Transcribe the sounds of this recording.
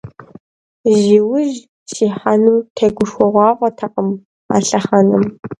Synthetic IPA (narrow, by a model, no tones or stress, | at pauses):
ʒiwʊʒ | ʃiːħanuːtʰɐɡʷʊʂʷɔʁʷɑːʁʷɔtʰɐqəm | a̰ːɬɐχɐnɨm